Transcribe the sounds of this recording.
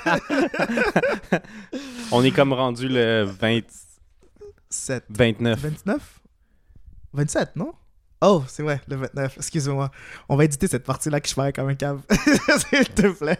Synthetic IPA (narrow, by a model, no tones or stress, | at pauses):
ɔ̃nɛkɔmʁɑ̃dzyləvɛ̃t̪ | sɛt̪vɛ̃t̪nœvɛ̃t̪nœf | vɛ̃t̪sɛt̪nɔ̃ | osɛvʁɛləvɛ̃t̪̚nœfɛkskʲyzemwaɔ̃vaed̪it̪esɛt̪̚paʁt̪ilakə̥ʒ̥paʁɛkɔmɛ̃kavsilt̪əplɛ